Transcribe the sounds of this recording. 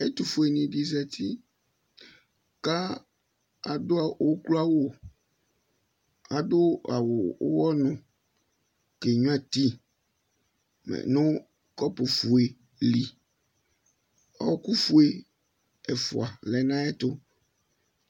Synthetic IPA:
e˦t̪u˨fu˨e˨nĩ˨ɖi˨zɛ˨t̪ʰi˦ | ka˦ | a˨dʊ˦a˨o˦klo˦a˦wo˦˨ | a˨dʊ˦a˨wo˨˦wɔ˦nʊ̃˨ | ke˨ɲũ˦a˦t̪i˦ | mɛ̰˨nʊ̃˦ | kɔ˦po˨fu˨e˨ | li˨ | ɔ˦ku˦fu˦e˨ | ɛ˨fo̰˨a˨lɛ˨nã˦ɛ˦t̪ʊ˦

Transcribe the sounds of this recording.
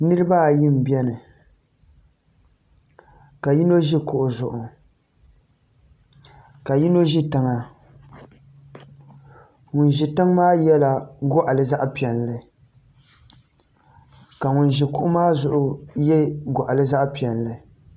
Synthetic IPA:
nɨ˦ɾɨ˦ba˦˨ji˦m̩˨bi˦ɛ˦nɨ˨ | ka˨ji˦no˦ʒi˦kʊ˨ʔʊ˨zʊ˨ʔʊ˨ | ka˨ji˦no˦ʒi˦tɨ˨ŋa˨ | ŋʊ˨n˨ʒi˨tɨ˦ŋmaː˦jɛ˦la˨ɡɔ˦ʔa˨lɨ˨za˦ʔpi˨ɛ˨n˨lɨ˨ | ka˨ŋʊ˨n˨ʒi˨kʊ˦ʔʊ˦maː˦zʊ˨ʔʊ˦jɛ˦ɡɔ˨ʔa˨lɨ˦za˦ʔpi˨ɛ˨n˨lɨ˨

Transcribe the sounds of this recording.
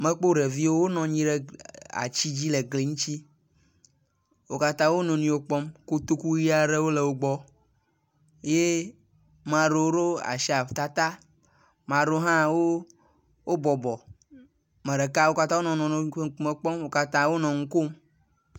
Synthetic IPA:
mẽ˦k͡po˦ɖe˨vi˦wo˦wo˦nɔ̃˨ɲĩ˦ɖe˦a̰˨t͡ɕi˦d͡ʑi˦le˨ɡle˨ŋũ˦t͡ɕi˦ | wo˦ka˦t̪ã˦wo˦nɔ̃˨nĩ˦wo˦k͡pɔ˦mko˦t̪o˦ku˦ji˦a˨ɖe˦wo˦le˨wo˦ɡ͡bɔ˦ | je˦ | mã˨ɖo˨˦wo˦ɖo˦a̰˨ʃi˦a˨t̪a˦t̪a˦ | mã˨ɖo˦ɦã˦wo˦ | wo˦bɔ˨bɔ˨ | mɛ̃˨ɖe˨ka˦wo˦ka˦t̪ã˦wo˦nɔ̃˨nɔ̃˨n˨˦me˨k͡pɔ˦mwo˦ka˦t̪ã˦wo˦nɔ̃˨ŋ̩˦ko˦m

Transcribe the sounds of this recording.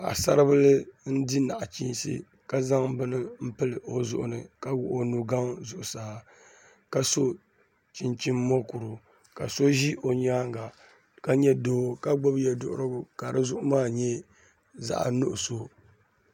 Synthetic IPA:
a̰˨sa˦ɾɨ˦bɨ˦lɨ˦n̩˦di˦na˨ʔa˨t͡ʃi˦nsḭ˦ | ka˦za˦ŋbɨ˦nɨ˦m̩˦pɨ˦lɨ˨ʔo˨zʊ̰˦ʔʊ̰˨nɨ˨ka˦wʊ˨ʔo˨nu˨ɡa˦ŋzʊ˨ʔʊ˨saː˨ | ka˦so˦ | t͡ʃi˨nt͡ʃi˦mːɔ˦ku˨ɾʊ˨ | ka˨so˦ʒi˦o˨ɲaː˦ŋɡa˨ | ka˦ɲɛ˦doː˦ka˦ɡ͡bɔ˦bjɛ˨dʊ̰˦˨ʔʊ˦ɾɨ˦ɡʊ˦ka˨ɾɨ˦zʊ˦ʔʊ˦maː˦˨ɲɛ˦ | za̰˦ʔnʊ˦ʔʊ˨so˦

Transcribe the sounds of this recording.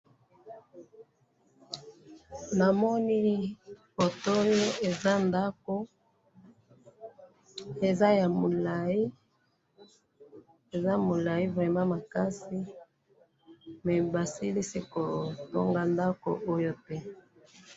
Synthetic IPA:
na˨mɔ˦ni˦fo˨to˦jo˦e˨za˦nda˦ko˦ | e˨za˦ja˨mo˨la˨i˦ | e˨za˦mo˨la˨i˦vʁɛ˨ma˦ma˨ka˦si˦ | mɛ˨ba˨si˦li˦si˦ko˨to̰˦ŋɡa˦nda˦ko̰˨ʔo˦jo˦te˦

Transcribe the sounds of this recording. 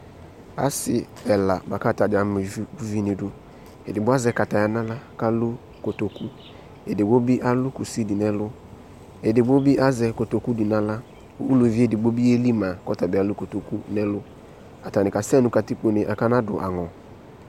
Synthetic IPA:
a̰˦sɪ˨ | ɛ˨la˨ba˨ka˦˨ta˨d͡ʒa˨˦m˨vu˦vi˦ni˨dʊ˨ | e˨dɪ˨ɡ͡bʊ˦a˦zɛ˦ka˨ta˨ja˦na˦la˦ka˦lu˦ | ko˨to˨ku˦ | e˨dɪ˨ɡ͡bo˦bi˦ʔa˦lu˦ku˨si˦di˨nɛ˦lʊ˦ | e˨dɪ˨ɡ͡bo˦bi˦ʔa˦zɛ˨ko˨to˨ku˦di˨na˦la˦ | ṵ˦u˦lo˨vi˦e˦˨dɪ˨ɡ͡bo˦bi˦e˦li˦ma˨kɔ˦ta˨bɪ˨a˨˦lu˦ko˨to˨ku˦nɛ˦lʊ˦ | a˨ta˨nɪ˨ka˨sɛ˦nu˦ka˨ti˦k͡po˨nɪ˨ʔa˨ka˦na˦dʊ̰˨ʔa̰˨ŋɔ˨

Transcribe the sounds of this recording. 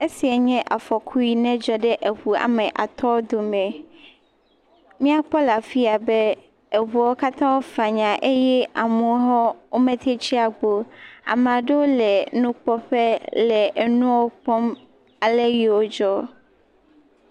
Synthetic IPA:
e˦si˨a˨ɲɛ̃˦ʔa˨fɔ˨kʰu˦i˦nɛ̃˦d͡ʒɔ˦ɖe˦ʔe˨ɸu˨a̰˨mɛ̃˨ʔa̰˨t̪ɔ˦wd̪o˨mɛ̃˨ | mĩ˦a˦k͡pɔ˦la˨fi˦a˨be˦ | e˨ɦu˨a˨˦wo˦ka˦t̪ã˦wo˦va˨ɲã˨ʔe˦jɛ˦ʔa˨mũ˨˦ɦɔ˦wo˦mɛ̃˦t̪e˦t͡ɕi˦a˨ɡ͡bo˨a̰˨m˨ã˨ɖe˦wo˦lɛ˨nũ˦k͡pɔ˦ɸe˦lɛ˨ʔnũ˦wo˦k͡pɔ˦m | a˨le˦ji˨wo˦d͡ʒɔ˦

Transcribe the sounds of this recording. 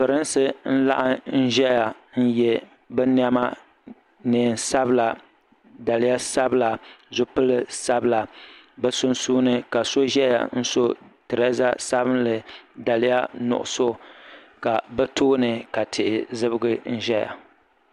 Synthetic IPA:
pɨ˨ɾɨ˦nsɨ˦n̩˦la̰˦ʔa˦n̩˦ʒɛ˦ja˨ | n̩˦jɛ˦ | bɛ˦n˦a˦ma˦ | nɨ˨n˨sa˦bɨ˦la˨ | da˨lɪ˦ja˦sa˦bla˨zʊ˦pɨ˦lɨ˦sa˦bɨ˦la˨ | bɛ˦sʊ˦nsuː˦nɨ˦ka˨so˦ʒɛ˦ja̰˨n̩˦so˦tɨ˨ɾɛ˦za˦sa˦bɨ˦nlɨ˨da˨lɪ˦ja˦nʊ̰˨ʔʊ̰˨so˦ | ka˨bɛ˦toː˦nɨ˨ka˨tʰɪ˨ʔɪ˨zɨ˦bɨ˦ɡɨ˦n̩˦ʒɛ˦ja̰˨

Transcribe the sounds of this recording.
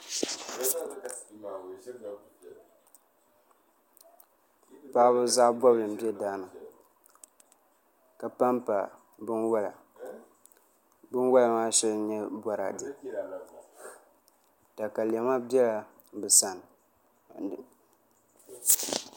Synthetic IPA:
paː˦bɨ˦za˦bɔ˦bɨ˨m̩˨bi˦ɛ˦daː˦nɨ˨ | ka˨pa˦mpa˨ | bɨ˦nwa˦la̰˨ | bɨ˦nwa˦la˨maː˦ʃɛ˦lɲɛ˦bʷɔ˨ɾa̰˨dɨ˨ | ta˨ka˨lɛ˨ma˦bɛ˦la˨ | bɨ˨sa˦n˨

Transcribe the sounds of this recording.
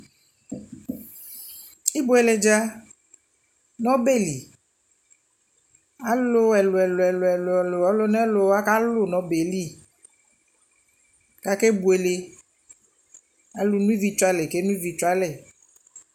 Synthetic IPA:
i˦bu˨˦ɛ˨le˨d͡ʒa˦ | nɔ̃˦be˦˨li˨ | a˨lo˦ɛ˨lʊ˨ɛ˨lo˨ɛ˨lo˨ɛ˨lʊ˨ɛ˨lʊ˨ɔ˦lo˦nɛ˦lo˨a˦ka˦lʊ˦˨nɔ̃˨˦be˨˦li˦˨ | ka˨˦ke˦bu˨e˨le˨ | a˨lu˦nũ˦i˦vi˧˦t͡ʃʊ˦a˦le˨ke˦nũ˦i˦vi˧t͡ʃa˦le˨

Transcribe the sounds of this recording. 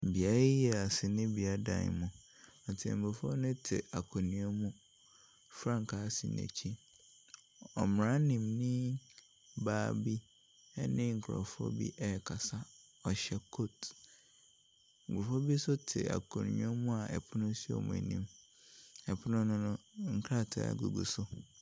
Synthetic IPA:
bi˨a˦jɛ˦˨a˨sɪ˨nɪ̃˦bi˨a˦dã̰˨n̰˨mũ˨ | ɔ˨tʰɪ̰̃˨m̩˨bʊ˨fɔ˦nɪ̃˦tʰɪ̰˨a˨kʰo˨nĩ˨˦ɔ˦mũ˦ | fɾã˦˨ŋ˨kʰa˨˦sɪ̰˨nɛ̰̃˨t͡ɕʰi˦ | ɔ˨m˨ɾã˦nĩ˨mnɪ̃˦ | baː˦˨bi˦ | ɛ̰˦nɪ̃˦ŋ̩˨kʰɾɔ̰˨fʊ˦ɔ̰˦bḭ˦ʔɛ˦˨kʰa˨sa˦ | ɔ˨ɕɛ˦kʰo˦t | ŋ̩˨ɡʊ˨fɔ˦bi˦sʊ˦tʰɪ˨a̰˨kʰɔ̃˨nḭ̃˨˦ɔ˦mũ˦a˨ʔɛ̰˨pʰʊ˦nʊ̃˦si˦ɔ̰˨mṵ̃˨ḛ˨nĩ˦m | ɛ˨pʰʊ˦nʊ̃˦nʊ̃˦nʊ̃˦ŋ̩˨kʰɾa˦˨tʰa̰˨˦˨ɡu˨ɡṵ˨sʊ˦

